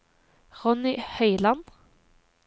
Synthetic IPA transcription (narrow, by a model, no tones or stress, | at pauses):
ʁɔnɪhœʏlɑn